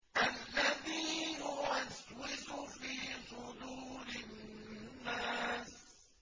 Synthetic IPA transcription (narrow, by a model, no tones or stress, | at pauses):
ʔalːaðiːhʊwaswɪzufiːsʊd̪uːɾɪnː | aːs